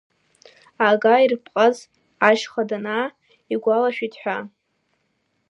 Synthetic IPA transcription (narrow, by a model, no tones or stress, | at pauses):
aɡairpʰʼqʼaz | aʒχadana | iɡʷalaʃᶣitʰʼħʷᶣa